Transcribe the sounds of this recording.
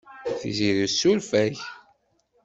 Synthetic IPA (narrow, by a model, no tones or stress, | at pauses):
θziɾisulfæç